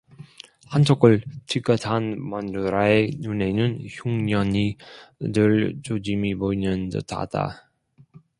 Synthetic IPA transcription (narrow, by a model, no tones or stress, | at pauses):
hant͡ɕʰok͈ɯɭt͡ɕik͈ʌtʰanmʌnduɾaenune̞nɯnçuŋɲʌɲidɯɭt͡ɕod͡ʑimiboinɯndʌ̰tʰa̰d̥a̰